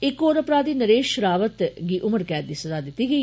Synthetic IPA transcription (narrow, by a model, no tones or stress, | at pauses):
ɪkːoːɾəpɾaːd̪iːnəɾeːʃɾaːʋət̪ɡiːʔʊməɾkɛːt̪̚d̪iːsəzaːd̪ɪt̪ːiːɡəiː